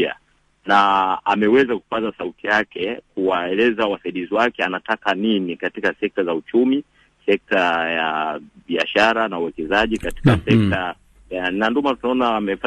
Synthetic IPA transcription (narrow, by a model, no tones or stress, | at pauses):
a̰ | naamɛwɛzaku̥pazasautijakɛkuwaɛlɛzawasaiɗiziwakɛanatakaninikatikasɛk̚tazaut͡ʃumi | sɛk̚tajaɓiaʃaɾanauwɛkɛzaʄikati̥kasɛk̚ta | jananduɔmatunaɔnamɛfa